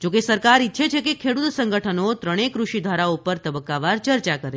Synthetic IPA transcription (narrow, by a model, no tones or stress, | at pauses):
d͡ʒokesəɾkaɾitːʃʰet͡ʃʰekekʰeɽut̪səŋɡəʈʰənot̪ɾəɽ̃ekɾuʃid̪ʱʋaɾaupəɾt̪əbəkːaʋaɾt͡ʃəɾt͡ʃakəɾe